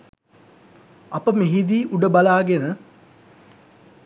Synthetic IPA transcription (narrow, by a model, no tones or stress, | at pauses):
ɐpəmeɦid̪iːʔuɖəbalaːɡenə